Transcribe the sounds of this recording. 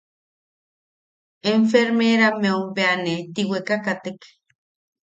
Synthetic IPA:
eɱfeɾmeɾameumpeanet̪iwekakat̪ek

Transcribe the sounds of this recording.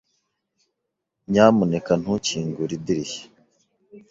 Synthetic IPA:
ɲaːmunekan̥huciːŋɡuɾidiɾiçe̥

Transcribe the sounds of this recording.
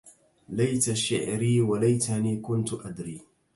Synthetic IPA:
lajt̪aʃɪʕɾiːwalajt̪aniːkʊnt̪ʊʔad̪ɾiː

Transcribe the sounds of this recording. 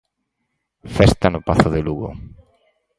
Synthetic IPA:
fɛst̪anʊpaθʊðeluɣʊ̰

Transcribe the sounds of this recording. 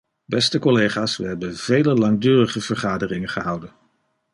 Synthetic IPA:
bɛstəkolejχaːsʋəɦɛbənvejləlɑŋdøːrəχəv̥əɹχaːdərɪŋənχəɦɑwdən

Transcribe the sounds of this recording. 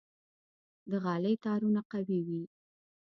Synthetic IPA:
d̪əɣɑləjt̪ɑɾunaqawiwi

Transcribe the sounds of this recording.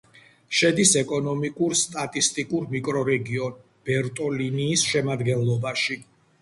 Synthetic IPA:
ʃɛd̪isɛkʼɔnɔmikʼuɾst̪ʼat̪ʼist̪ʼikʼuɾmikʼɾɔɾɛɡiɔn | b̥ɛɾt̪ʼɔliniːsʃɛmad̪ɡɛnlˠɔbaʃi

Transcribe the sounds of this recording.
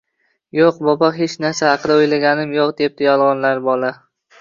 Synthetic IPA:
joqbɒbɒɦe̞t͡ʃnaɾsahɑqʰɨd̪aojlaɡʲanɪmjoqd̪e̞p̚t̪ɪjɒlˠʁɒnlaɾbɒla

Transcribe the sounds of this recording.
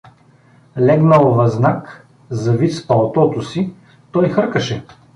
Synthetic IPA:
lɛɡnɐlˠovɐznak | zɐvit̪spɐlˠt̪ɔt̪osi | t̪ɔjxɤɾkɐʃɛ

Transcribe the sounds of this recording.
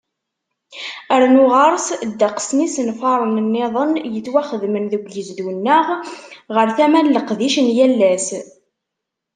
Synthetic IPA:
æɾnʊʁɑɾˤsd̪ːəqsnisənfɑɾˤənənːeðˤənjət͡sːwæχəðmənðəɡʷjəzðunːəʁʁəɾθæmænləqðiʃənjælːæs

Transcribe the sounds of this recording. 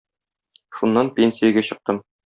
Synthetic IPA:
ʃunːɑnpʲenʲsʲijæɡæɕɤ̆q̚t̪ɤm

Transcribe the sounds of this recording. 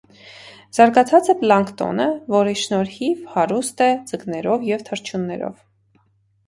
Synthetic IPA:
z̥ɑɾɡɑt͡sʰɑt͡sɛplɑŋkt̪ɔ̰nəvɔɾiʃnɔɾhivhɑɾust̪ɛd͡zəɡnɛɾɔvjɛvt̪ʰəɾt͡ʃʰunːɛɾɔ̰v

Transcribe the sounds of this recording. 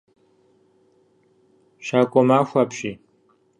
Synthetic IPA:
ʃaːkʷʼɔmaːxʷaːpɕiː

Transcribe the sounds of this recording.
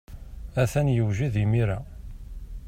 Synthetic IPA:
æθænjəwʒiðimiɾæ

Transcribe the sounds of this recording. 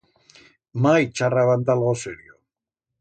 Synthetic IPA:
majt͡ʃaraβant̪alɣoseɾio

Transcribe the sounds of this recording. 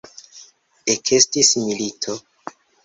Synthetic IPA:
ekʰe̞stismilitʰo̞

